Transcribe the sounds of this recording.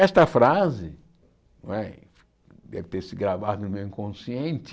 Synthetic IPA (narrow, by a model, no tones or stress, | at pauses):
ɛst̪ɐfɾazɪ | ñɛ | d̪ɛ̰vɪt̪eɾsɪɡɾavad̪ʊnʊ̃mewĩŋkõsiẽnt͡ʃ